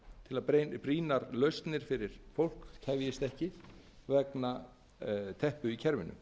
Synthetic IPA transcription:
t̪ʰɪlaðɾepɾiːnaɾlœɥst̪nɪɾ̥fɪɾɪɾ̥fowl̥kchɛvjɪst̪ɛhcɪvɛkna | t̪ʰɛhpʏicʰɛɾvɪnːʏ̰

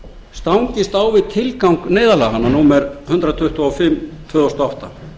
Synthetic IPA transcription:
st̪awɲcɪst̪awvɪðt̪ʰɪlkawŋkneːjðalaɦanːanuːmɛɾhʏnt̪ɾat̪ʰʏht̪uafɪmt̪ʰvœːðɔst̪ɔawht̪a

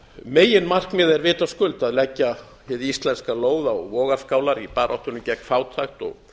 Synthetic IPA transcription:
meːjɪnmar̥kmɪːðɛɾvɪːt̪askʏlt̪aðlɛcːa | hɪðɪist̪lɛnskaloːwðaɔɣvɔːɣaɾ̥skaːwlaɾipaːɾʔɔht̪ʏnʏmcɛkfaːwt̪ʰajxt̪ɔ̰ɣ

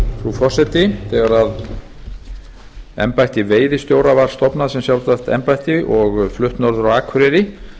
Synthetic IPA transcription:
fɾufɔr̥sɛt̪ɪθɛɣaɾað | ɛ̰mpajht̪ɪveːjðɪst̪joːwɾavaɾ̥st̪ɔpnaðsɛmsjawlt̪aht̪ɛ̰mpajht̪ɪʔɔɣflʏht̪nɔɾðʏɾawaːkʰvɾɪɾɪ

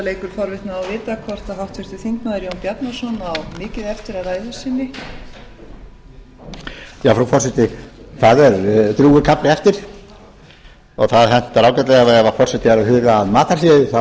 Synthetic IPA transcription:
lejkʏɾ̥fɔɾvɪt̪naːwvɪːt̪akʰvɔr̥t̪aɦawht̪fʏst̪ʏθiŋknaðɪɾjownpjat̪nasɔnawmɪːcɪðɛft̪ɪɾaraːjðʏ̥sinːɪ | jawfɾawfɔrsɛt̪ɪθaðɛɾt̪ɾuːʏɾkʰaplɪɛft̪ɪɾ̥ | ɔɣθaðhɛn̥t̪aɾaːwkɛt̪lɛɣavɛɾðavaɾfɔr̥sɛt̪ɪaɾahʏɣaːðmaːt̪aɾsɛːðɪθa

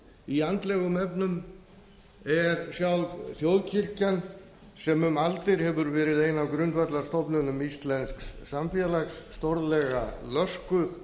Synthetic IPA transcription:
iant̪lɛɣʏmɛpnʏm | ɛɾsjawlvθjoːwðcʰir̥can | sɛmʏmalt̪ɪɾ̥hɛvʏɾvɛːɾɪðeːjnavkɾʏnt̪vat̪laɾ̥st̪ɔpnʏnʏmist̪lɛnskssamfjɛalaksːt̪ɔɾðlɛɣalœskʏθ

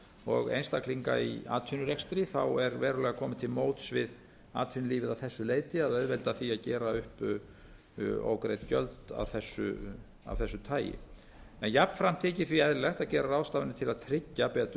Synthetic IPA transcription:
ɔɣḛjnst̪akʰliŋka̰ia̰ːt̪ʰynʏɾɛkst̪ɾiθawɛɾvɛːɾʏlɛːɣakʰɔːmɪt̪ʰɪlmoːwt̪svɪð | a̰ːt̪ʰinliːvɪðavθɛsːʏleːjt̪ɪaðœɥðvɛlt̪aθiaðcɛːɾaʏhp | o̰ːwkɾejt̪cœ̰lt̪a̰vθɛsːʏ̰ | a̰vθɛsːʏt̪ʰaːjɪ̰ | ɛnjapnfɾam̥t̪ʰɪːcɪθviaðɾlɛht̪acɛːɾaɾrawst̪aːvɪnɪt̪ʰɪlaðt̪ʰɾɪcːapɛːt̪ʏ

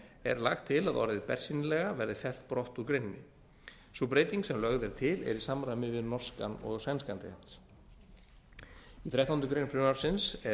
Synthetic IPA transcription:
ɛ̰ɾla̰xt̪ʰːɪlaðɔ̰ɾðɪpɛ̰r̥sinɪlɛɣavɛɾðɪθɛl̥t̪̚pɾɔht̪uɾkɾejnnɪ̰ | supɾeːjt̪iŋksɛmlœɣðɛɾ̥t̪ʰɪlɛ̰ɾisamɾajmɪvɪðnɔr̥ska̰nɔ̰ɣsɛnskant̪ɪ̰an̥t̪s | iθɾjajht̪awnʏkɾejnfɾʏmaɾ̥sɪnsɛ

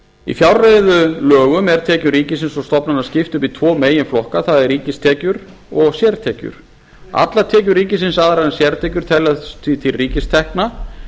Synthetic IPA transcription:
ḭfjawɾrejðʏlœːɣʏmɛɾ̥t̪ʰɛːcʏriːcɪsɪnsɔst̪ɔpnanːascɪft̪ʏpit̪ʰvɔːmeːjɪnflɔhkaθaðɛɾriːcɪst̪ʰɛːcʏɾ | ɔɣsjɛɾt̪ʰɛːcʏ̰ɾ̥ | a̰t̪lat̪ʰɛːc̬ʏɾriːcɪsɪnsaːðɾaðɛnsjɛɾt̪ʰɛːcʏɾ̥t̪ʰɛlat̪ʰit̪ʰɪlriːcɪst̪ʰɛhkna

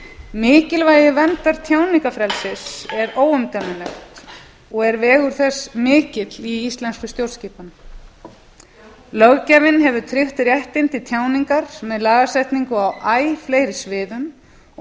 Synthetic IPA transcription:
mɪːcɪlvajɪvɛnt̪aɾ̥t̪ʰjaːwniŋkafɾɛlsɪsɛɾoːwʏmt̪amanɛht̪ | ɔɣɛɾvɛːɣʏɾ̥θɛsmɪːcɪt̪liist̪lɛnskʏst̪jowɾsciːpan | lœɣcavɪnɦɛvʏt̪ʰɾɪht̪rjɛht̪ɪnt̪ɪt̪ʰjaːwniŋkaɾ̥mɛðlaːɣasɛjht̪niŋkʏawʔaːjfleːjɾɪsvɪːðʏm

